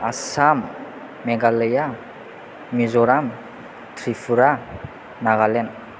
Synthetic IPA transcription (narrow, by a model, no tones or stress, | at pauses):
asam | meɡaleja | mizoɾam | t̪ɾifuɾa | naɣalen